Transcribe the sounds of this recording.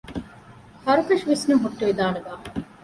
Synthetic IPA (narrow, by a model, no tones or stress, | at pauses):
hɐɾukɐʃʋisnuɦuʈːoid̪aːnuɡaː